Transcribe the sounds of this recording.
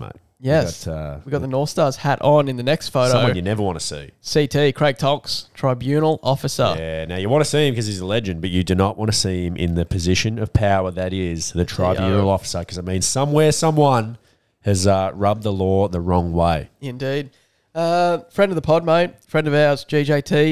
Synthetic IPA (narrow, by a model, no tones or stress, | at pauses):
ma̰ɪ | jɛstʰʌwiɡɑt̪̚ðənɔɹθstɑɹz̥hæɾʔn̩ɨ̃nðɨnɛkstfoʊɾõʊmnjɨnɛvə˞wɑ̃ntɨsḭsitʰikʰɹ̥eɪk̚tʰɑkstʰɹ̥aɪbjʉ̃nl̩ˠɔfɨsə̰˞ænaʊjɨwɑ̃ñɨsiɨ̃mkʌzizəlɛd͡ʒɨ̃nbʌt͡ʃɨdɨnəʔ̚wɑ̃ñɨsiɨ̃mʔɪ̰̃nðɨpʰɨzɪʃɨ̃nʌv̥pʰaʊə˞ðɨɾɪz̥ðɨtʰɹ̥aɪbjʉ̃nl̩ˠɔfə̥sə˞kʰʌzɨɪmĩnz̥sʌ̃mwɛɹsʌ̃mwʌ̃n | ɨzʌɹʌb̪̚ðəlɔɹðəɹɔ̃ŋweɪɪ̃ndid̚ | ʌfɹɛ̃ndʌvðəpʰɑd̚moʊt̚fɹɛ̃ndʌvazd͡ʒid͡ʒeɪtʰi